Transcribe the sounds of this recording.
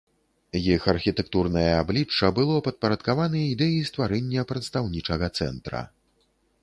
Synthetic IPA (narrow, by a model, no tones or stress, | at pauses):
jixɐrxʲit̪ɛk̚t̪urnɐjɐablʲit͡ʂːɐbɨlˠɔpɐt̪̚pɐɾɐt̪kavanɐjɐid̪ɛjist̪vaɾɛnʲːɐpɾɛt̪st̪awnʲit͡ʂɐɣɐt̪sɛ̰nt̪ɾɐ̰